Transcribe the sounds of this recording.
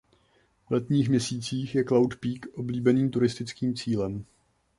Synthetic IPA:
vlɛt̪ɲiːxmɲɛsiːt͡siːxjɛklawt̪piːkʔo̞bliːbɛniːmt̪uɾɪst̪ɪt͡skiːmt͡siːlɛm

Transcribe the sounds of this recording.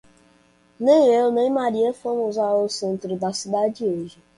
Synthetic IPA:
nẽj̃ewnẽj̃maɾiefomuzaosẽnt̪ɾʊd̪asid̪ad͡ʒioʒi

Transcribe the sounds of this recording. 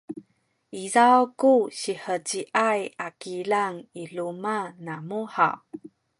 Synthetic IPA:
ʔizawkuɕiħəɟiʔajakiɮaŋiɮumanamuħa̰

